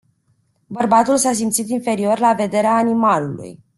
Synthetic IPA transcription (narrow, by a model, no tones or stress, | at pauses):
bərbat̪ulsas̬imt̪sit̪infe̞ɾio̞rlave̞d̪e̞ɾeaːnimalulṵj